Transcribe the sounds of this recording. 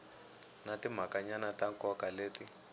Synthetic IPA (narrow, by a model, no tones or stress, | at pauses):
natim̤akaɲanatakɔkaleːti